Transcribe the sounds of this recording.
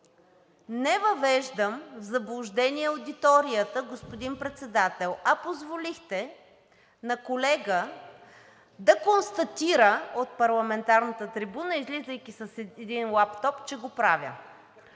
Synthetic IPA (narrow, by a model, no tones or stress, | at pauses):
nɛvɐvɛʒd̪əmvzɐblˠʊʒd̪ɛniɛod̪it̪ɔɾijət̪əɡospod̪impɾɛt̪sɛd̪at̪ɛlˠɐpozvolixt̪ɛ | nɐkolɛɡə | d̪ɐkonst̪ɐt̪iɾəot̪̚pɐɾlˠɐmɛnt̪aɾnət̪ət̪ɾibunəizlizəjk̟isəsɛɛd̪inlˠapt̪ɔpt͡ʃɛɡopɾavʲjə̰